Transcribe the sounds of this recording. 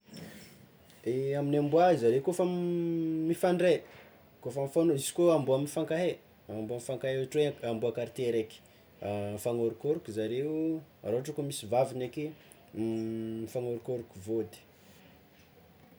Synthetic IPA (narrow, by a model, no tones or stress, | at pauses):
eaminambuazaɾewkofə | mifaɳɖ͡ʐe | kofəmifanoisi̥koambuaminfaŋkaɦe | ambuaminfaŋkaɦeeaʈ͡ʂweambuakaɾit̪eɾeki̥ | faŋoɾukoɾukuzaɾeua̰ɾoaʈ͡ʂakomisivavineke | ifaŋoɾukoɾukuvod̪i̥